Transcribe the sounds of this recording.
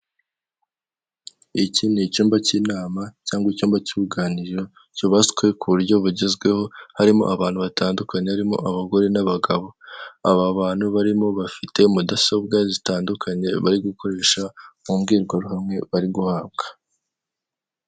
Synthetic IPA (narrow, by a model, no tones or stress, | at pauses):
icinit͡ʃuːmbaciːnaːmacaːŋɡwaicuːmbacuβuɡaːniɾo̞ | coβaskwe̞kuβuɾɟo̞βuɟezɡwe̞ho̞haɾimo̞̰ʔaβaːnhuβataːndukaɲe̞haɾimo̞̰ʔaβaɡo̞ɾe̞naβaɡaβo̞a̰βaβaːn̥huβaɾimo̞βafite̞mudaso̞b̚ɡazitaːndukʰaɲe̞βaɾiɡuko̞ɾe̞ːʃamumɡiːɾɡwaɾuhamŋe̞βaɾiɡuhaːb̚ɡ̥ḁ